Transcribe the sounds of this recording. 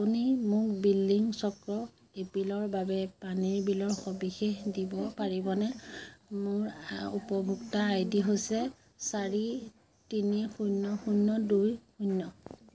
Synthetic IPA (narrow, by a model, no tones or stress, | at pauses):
aunimʊkbilːiŋsɔkɹɔ | epɹilɔɹbabɛpaniɹbilɔɹxɔbixexdibɔpaɹibɔnɛ | mʊɹṵpɔbʱuktaːjdiɦojsɛ | saɹi | tinixujnːɔxunːɔdujxunːɔ